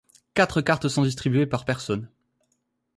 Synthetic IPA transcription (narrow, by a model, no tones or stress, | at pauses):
kat̪χəkaʁt̪sɔ̃d̪is̬t̪χibyepaʁpɛʁsɔn